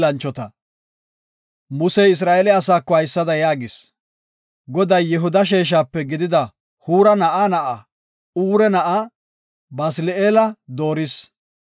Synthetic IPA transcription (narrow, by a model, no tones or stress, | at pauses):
lɐnt͡ʃːɔt̪ɐ | mʊsɛjɪs̬ɾaːʔɛlɛɐsaːkːɔhɐjsːɐd̪ɐjaːɡɪs | ɡɔd̪ɐjːɛɦʊd̪ɐʃ̬eːʃ̬aːpːɛɡɪd̪ɪd̪ɐ | huːɾɐnɐʔaːnɐʔɐ | uːɾɛnɐʔa | bɐsɪleːlɐd̪o̞ːɾɪs